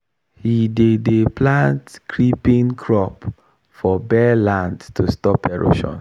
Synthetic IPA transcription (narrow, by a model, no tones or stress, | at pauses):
hidedeplãntkʰɹipĩnkʰɹɔp | fɔbɛlãndtustɔpɛɹo̰ʃɔ̰̃n